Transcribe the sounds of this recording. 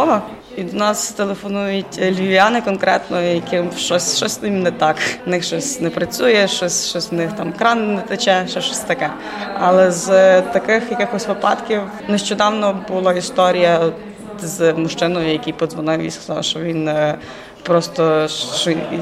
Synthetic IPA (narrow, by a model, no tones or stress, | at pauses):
ɔʋɔ | id̪ɔnɑst̪elˠefɔnujʊtʲlʲiʋʲiɑnɪkɔnkɾɛt̪nɔjɐkɪmʃt͡ʃɔsʲʃt͡ʃɔsʲsnɪmnɛt̪ɑknɪxʃt͡ʃɔsʲnɛpɾɐt͡sʲujɛʃt͡ʃɔsʲt͡ʃɔsʲnɪxt̪ɑmkɾɑnnɛt̪ɐt͡ʃɛʃɛʃt͡ʃɔsʲt̪ɐkɛ | ɐlˠɛzt̪ɐkɪxjɐkɪxɔsʲʋɪpɑ̰t̪kʲiw | nɛʃt͡ʃɔd̪ɑwnɔbʊlˠɔist̪ɔɾʲijɐ | zmʊʃt͡ʃɪnɔjʊjɐkʲijpɔzʋɔnɪwʋḭsʲkzʃt͡ʃɔʋʲin | pɾɔst̪ɔɔ